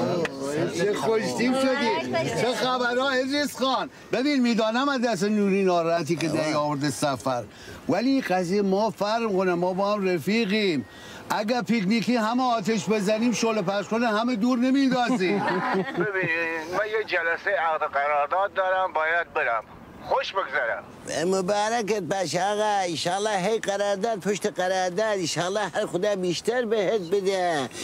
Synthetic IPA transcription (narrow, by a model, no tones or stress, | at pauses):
jexoʃt̪iːmʃod̪iːt͡ʃʰexæbæɾɒːed̪ɾisxɑːn | bebiːnmiːd̪ɒːnæmæd̪æs̬enuːɾiːnɒːɾææt̪iːked̪æɾiɒːvoɾd̪esæfæɾ | væliːqæzijemɒːfæɾmkonæmɒːbɒːhæmɾefiːɣiːm | ʔæɡæɾpikniːkiːɦæmeɒːt̪ʰeʃbe̞zæniːmʃolepæɾʃkonehæmed̪uːɾnemiːd̪ɒːziːbebiːnimæjed͡ʒælæsejæɣd̪eqæɾɑːɾd̪ɑːd̪̚ːɒːɾæmbɒːjæd̪̚beɾæm | xoʃbeɡzæɾæ̰m | mʊbɑːɾæket̪̚bæʃɑːɣæɪnʃɑːlːɑːɦejqæɾɑːɾd̪ɑːd̪̚pʰoʃt̪eqæɾɑːɾd̪ɑːd̪ɪnʃɑːlːɑːhæɾxod̪ɑːbiːʃt̪æɾbehet̪̚bed̪e